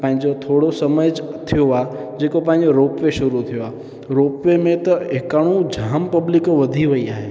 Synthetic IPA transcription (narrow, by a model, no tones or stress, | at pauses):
pãɦɪ̃ɲd͡ʒot̪ʰoːɽosəməd͡ʑt̪ʰijoad͡ʑeːkopãɦɪ̃ɲd͡ʑoɾoːpʋeʃʊɾut̪ʰijoa | ɾoːpʋemẽt̪ɐekaɽ̃ũd͡ʑʱaːmpəblɪkoʋɐd̪ʱiʋɐiaːɦe